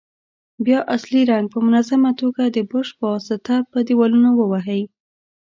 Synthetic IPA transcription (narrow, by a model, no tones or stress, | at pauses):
bjɑʔasliɾaŋɡ̚pəmʊnazamat̪oɡad̪əbəʃpəwɑsɪt̪apəd̪iwɑlunowəwaɦəj